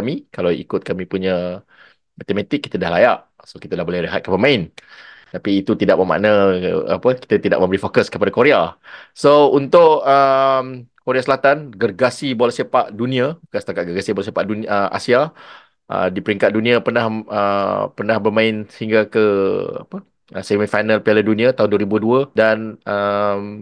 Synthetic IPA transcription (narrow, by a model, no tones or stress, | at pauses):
mikalawḭkʊt̪̚kamĩpuɲa | mat̪emãt̪ɪkːi̥t̪adahlajaʔ | sokit̪adahbolɛhɾeɦa̰t̪̚kəpəmãɪnt̪apiːt̪ut̪idaʔməma̰ʔnaa̰pəki̥t̪at̪ida̰ʔməmbəɾifokəskəpadakoɾeasount̪ʊʔəmkoɾeasəlat̪anɡərɡasiboalsapaʔdunĩabukansə̥t̪akat̪̚ɡərɡasibolasiapaʔdunəʔa̰sia | ʔə̰dipəɾiŋkat̪̚dunĩapərnahəpərnahbərmãɪnsəhiŋɡakəa̰pə | əsemifajnalpialədunĩat̪aɦʊnduəɾibuduədanəm